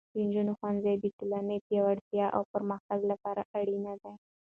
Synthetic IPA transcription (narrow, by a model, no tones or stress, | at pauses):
d̪̥ənd͡ʒunoxwanzajb̪it̪ʊlɑnəpjɑwaɽt̪jɑʔa̰wpəɾməxt̪aɡlapɑɾaʔaɽinad̪aj